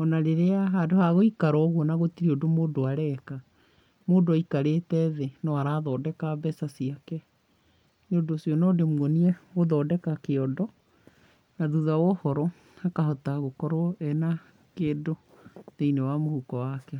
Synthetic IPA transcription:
ɔnaɾeɾeaɦadohaɣoikaɾɔɣɔnaɣotiɾiodomoːdoaɾɛka | moːdikaɾeːtɛðenɔaɾaːðɔːdɛkabɛsasiakɛ | neodosiɔnɔːdemwɔniɛɣoðɔːdɛkakeɔdɔ | naðuðawɔhɔɾɔ | akahɔtaɣokɔɾwɔɛna | keːdo | ðeinewamohukɔwakɛ

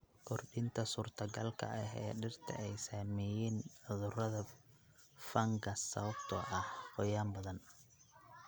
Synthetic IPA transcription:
kʰɔrɖɪnt̪ʰɐsuːrt̪ʰɐɡɐlkʰɐ̰ʔɐɦɛ̰ːɖɪrt̪ʰɐ̰ʔɛjsaːmɛjɛːnʕʊðʊɾɐðɐ | fɐŋɡʰɐsɐ̰βɐbt̪ʰɐʔɐhqɔjaːmbɐðɐn

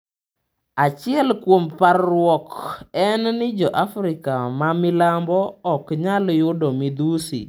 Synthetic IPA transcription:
at͡ʃɪɛlkwomparwɔkɛnnɪd͡ʒɔʔafɾɪkamamɪlambɔɔkɲaljʊdɔmɪd̪usḭ

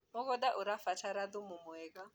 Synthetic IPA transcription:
mɔɣɔdaʔʊɾafat͡ʃʰaɾad̪ʊmʊmɔɛka

